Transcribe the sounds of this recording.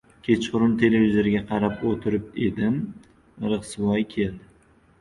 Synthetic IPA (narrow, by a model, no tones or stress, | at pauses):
kʲʰe̞t͡ʃqʊɾʊnt̪ʰe̞le̞vʲizoɾɪɡʲaqʰɑɾapot̪ʰɪɾɪp̚e̞d̪ɪm | ɾɨʁsvɒjkʲʰe̞ld̪ɪ